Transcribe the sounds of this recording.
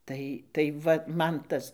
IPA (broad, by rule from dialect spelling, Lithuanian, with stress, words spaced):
ˈtɐɪ tɐɪ ˈʋɐ ˈmɐn ˈtɐs